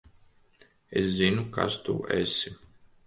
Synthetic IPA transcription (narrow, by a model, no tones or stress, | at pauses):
eszʲinuka̰st̪ṵʔɛ̰sʲi